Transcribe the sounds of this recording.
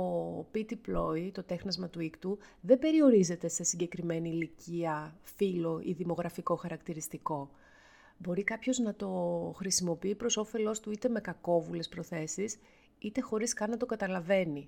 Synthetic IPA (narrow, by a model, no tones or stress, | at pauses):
o̞pit̪iplo̞it̪o̞t̪e̞xnɐzmɐt̪uikt̪uðe̞be̞ɾio̞ɾize̞t̪e̞se̞siɟe̞kɾime̞niːliciɐfilo̞ʔiðimo̞ɣɾɐfiko̞xɐɾɐkt̪iɾist̪iko̞ | bo̞ɾikɐpço̞znɐt̪o̞xɾisimo̞piipɾo̞so̞fe̞lo̞st̪uit̪e̞me̞kɐko̞vule̞spɾo̞θe̞sis | it̪e̞xo̞ɾiskɐnːɐt̪o̞kɐt̪ɐlɐve̞ni